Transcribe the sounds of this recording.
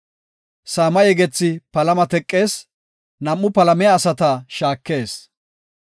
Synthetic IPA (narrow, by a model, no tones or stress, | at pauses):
saːmɐjɛɡɛt͡sːɪpɐlɐmɐt̪ɛkʼːe̞ːs | nɐmːʊpɐlɐmɛjaːsɐt̪ɐʃaːkːe̞ːs